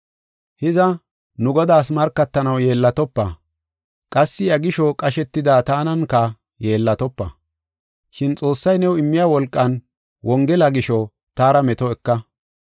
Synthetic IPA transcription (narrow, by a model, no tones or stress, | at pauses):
hɪzɐ | nʊɡɔd̪aːs̬mɐɾkːɐt̪ːɐnɐwje̞ːlːɐt̪ɔpːɐ | kʼɐsːɪɐɡɪʃɔkʼɐʃɛt̪ːɪd̪aːt̪aːnɐnkɐ | je̞ːlːɐt̪ɔpːɐ̰ | ʃɪnt͡sʼo̞ːsːɐjnɛwɪmːɪjawɔlkʼːɐn | wʔɔŋɡɛlɐɡɪʃɔ | t̪aːɾɐmɛt̪ɔɛkːɐ